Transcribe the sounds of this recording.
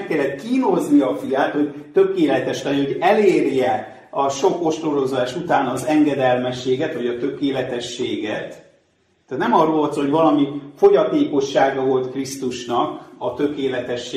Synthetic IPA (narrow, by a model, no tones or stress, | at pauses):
kːɛlːɛt̪kiːno̞zniɒfijaːt̪ho̞ɟt̪ø̞keːlɛt̪ɛʃlɛnho̞ɟɛleːrjɛ | ɒʃo̞ko̞ʃt̪rolo̞zaːʃut̪aːnɒzɛŋɡɛd̪ɛlmɛʃːeːɡɛt̪ʋɒɟɒt̪ø̞keːlɛt̪ɛʃːeːɡɛ̰t̪ | t̪ːaːt̪nɛmɒrolːɒt̪soɦo̞ɟvɒlɒmifo̞ɟɒt̪eːko̞ʃːaːɡɒvo̞lt̪krist̪uʃnɒkɒt̪ø̞keːlɛt̪ɛʃːeː